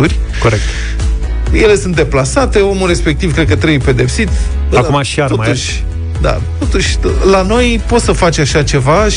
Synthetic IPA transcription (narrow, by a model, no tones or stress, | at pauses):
uɾʲ | ko̞ɾek̚t̪ | je̞le̞sunt̪d̪e̞plasat̪e̞o̞mure̞spe̞k̚t̪iv̥kɾe̞d̪̚kət̪ɾebujpe̞d̪e̞psit̪ | akumaʃiaɾomuʃʲ | d̪a̰t̪o̞t̪uʃʲlano̞jpo̞t̪səfat͡ʃaʃat͡ʃe̞vaʃ